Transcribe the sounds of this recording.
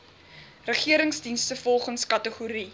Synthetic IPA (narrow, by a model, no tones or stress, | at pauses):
rəχiəɾəŋsdinstəfɔlˠχənskɐtəχuɾi